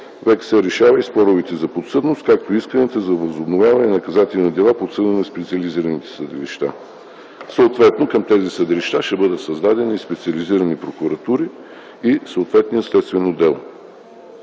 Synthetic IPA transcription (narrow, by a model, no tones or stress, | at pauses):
vɛksɛɾɛʃavɐispɔɾovit̪ɛzɐpot̪sɤd̪nost̪̚kak̚t̪oiskənɛt̪əzɐvɐzobnovʲjavɐnɛnɐkɐzat̪ɛinɐd̪ɛlˠapot̪sɤd̪ənɛspɛt̪siɐliziɾɐnit̪ɛ̥səd̪ɛliʃt̪a̰ | səot̪vɛt̪nokəmt̪ɛzisəd̪iliʃt̪aʃɛbɤd̪ət̪sɐzd̪ad̪ɛnispɛt̪sʲiɐliziɾɐnipɾokuɾɐt̪uɾi | isəot̪vɛt̪nijətslɛt̪st̪vɛnod̪ɛlˠo